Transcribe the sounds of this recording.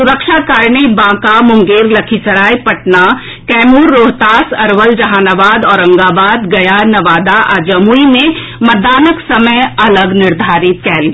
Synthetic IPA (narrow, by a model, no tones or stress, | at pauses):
sʊɾəkʃakaːɾnibãːkamʊ̃ŋɡeːɾlɐkʰisɐɾaːipɐʈna | kɛːmuːɾːoːɦt̪aːsɐɾʋəld͡ʒɐɦaːnaːʋaːd̪ɔːɾɐ̃ŋɡaːbaːd̪ɡɐjaːnɐʋaːd̪aʔa̰ːd͡ʒəmuine | mɐd̪aːnəksɐməjɐləɡnɪɾd̪ʱaːɾɪt̪kɛɦli